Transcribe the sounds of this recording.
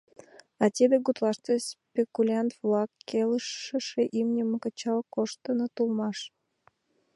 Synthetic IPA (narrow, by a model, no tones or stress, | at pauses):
ɑt̪ʲebʲeɡut̪lɑʃt̪espʲekulʲant̪vlɑkːeləʃːəʃeʔimnʲəməkət͡ɕɑlkoʃt̪ənot̪ulmɑʃ